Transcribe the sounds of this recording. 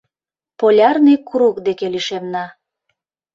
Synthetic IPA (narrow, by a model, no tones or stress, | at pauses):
polʲɑrnijkuɾukd̪ekeliʃemnɑ